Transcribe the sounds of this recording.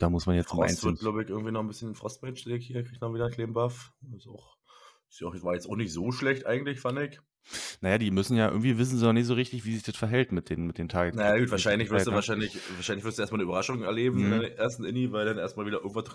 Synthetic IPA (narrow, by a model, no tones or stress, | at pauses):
d̥aːmʊsmanjɛt͡sma̰ɪnsvɪɐt̚ɡ̥laʊbəɪçʔɪɐɡŋ̩v̥iːnɔχn̩bɪsçənɪnfʁ̥ɔstm̥ɛt͡ʃleːk̚thiːɐkʁ̥içtmaviːɾɐkleːmbafɪsaʊx | ɪsavaːjɛt͡saʊxnɪçtz̥oːʃlɛçtʔa̰ɪɡŋ̩tlɪçfandɪç | najaːdiːmʏsn̩jaːʔɪ̰ɡŋ̩tv̥iːvɪs̬n̩znɔnɪçtz̥oːʁɪçtɪçv̥iːzɪçd̥asfɛɐɦɛltmɪt̚d̥eːnmɪt̚d̥eːntʰaɡnajaːɡuːtvaɐʃaɪnlɪçvɪɐstduvaɐʃaɪnlɪçvaɐʃaɪnɪçvɪɐstdueːstmalnːiʔybɐʁaʃʊŋɛɐleːbm̩ɪnndaɪʔeːɐstn̩ɪnivaɪldanʔeːɐstmaːlvidɐɪ̰ɡŋ̩v̥a